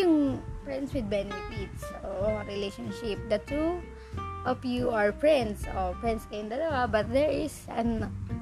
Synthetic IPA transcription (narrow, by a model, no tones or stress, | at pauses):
ʊŋpɹɛnd̪swɪd̪̚bɛnɛfɪt̪soɹɪlejʃɔnʃɪp̚d̪ɐt̪u | ʔɐpjuaɹpɹɛnd̪sopɹɛ̃nd̪skɐɪ̃nd̪ɐlawabɐt̪̚d̪ɛɹɪsɐn